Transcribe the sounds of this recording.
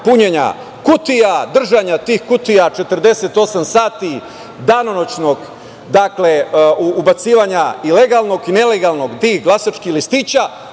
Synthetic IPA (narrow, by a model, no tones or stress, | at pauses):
puɲeɲa̰ | kut̪ijad̪r̩ʒaɲat̪iːxkut̪ijat͡ʃe̞t̪ər̩d̪e̞se̞t̪o̞samsaːt̪i | d̪anonot͡ɕno̞ɡ | d̪akle̞uubat̪siːʋaɲaileɡalˠno̞ɡine̞le̞ɡalˠno̞ɡt̪iːxɡlˠasat͡ʃkixlist̪iːt͡ɕa